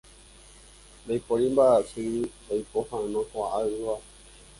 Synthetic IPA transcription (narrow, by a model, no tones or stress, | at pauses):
bajpoɾimbasɨbajpohãnõkoaʔaɨʋa